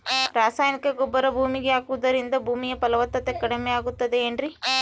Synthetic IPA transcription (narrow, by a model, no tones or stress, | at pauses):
ɾaːsaːjnikɐɡɔbːɐɾɐbʱuːmiɡeaːkuʋɐd̪ɐɾind̪ɐbʱuːmijɐpɐlɐʋɐt̪ːɐt̪ekɐɽemeaːɡut̪ːɐd̪e̞eːɳɖɾi